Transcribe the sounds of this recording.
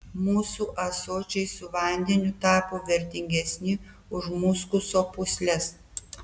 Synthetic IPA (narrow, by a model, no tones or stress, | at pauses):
muːsuːʔɐsoːt͡ʃʲɛɪsʊʋɐˑnʲd̪ʲɛnʲʊt̪ɑːpoːʋʲɛɾʲt̪ʲɪŋʲɡʲɛsʲnʲɪ | ʊʃmʊːskʊsoːpʊsʲlʲɛs